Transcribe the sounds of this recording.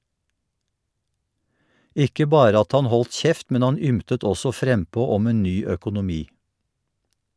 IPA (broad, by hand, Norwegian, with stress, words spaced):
ˈʔɪkə ˈbɑːɾə ˈɑt ˈhɑn ˈhɔlt ˈçɛft ˈmɛn ˈhɑn ˈʏmtət ˈɔsɔ ˈfɾɛmˌpoː ˈɔm ˈeːn ˈnyː œkʊnʊˈmiː